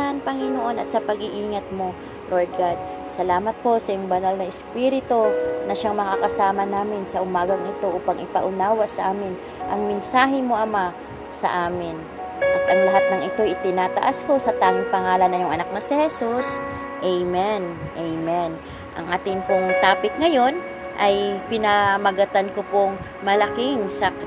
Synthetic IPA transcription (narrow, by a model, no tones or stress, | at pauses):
npɐŋɪnoʔo̞nɐt̪̚sɐpɐɡɪʔiːŋɐt̪̚mo̞ | lʔo̞ɹd̪̚ɡad̪̚ | sɐlaːmɐt̪̚po̞sɐjʊŋbɐnalnɐʔɛspiɾɪt̪onɐʃaŋmɐkakɐsaːmɐnaːmɪnsɐʔʊmaːɡɐŋʔɪt̪o̞ʔuːpɐŋʔɪpɐʔʊnaːwɐʔsɐʔaːmɪn | ʔɐŋmɪnsaːɦɪmo̞ʔɐma | sɐ̰ʔaːmɪn | ʔɐt̪ʔɐŋlɐɦat̪̚nɐŋʔɪt̪o̞ʔɪt̪ɪnaːt̪ɐ̰ʔasko̞sɐt̪aːŋɪŋpɐŋaːlɐnɐjʊŋʔɐnak̚nɐsɪhɛsus | ʔɛjmɛnʔejmɛn | ʔɐ̰ŋʔaːt̪ɪŋpoŋt̪aːpɪk̪̚ŋɐjo̞n | ʔɐjpɪnɐmɐɡɐt̪ankopoŋ | mɐlɐkɪŋsakɾ